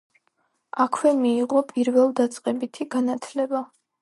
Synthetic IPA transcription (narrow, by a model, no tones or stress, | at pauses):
akʰwɛmiːʁɔpʼiɾvɛlˠd̪at̪sʼqʼɛbit̪ʰiɡanat̪ʰlɛba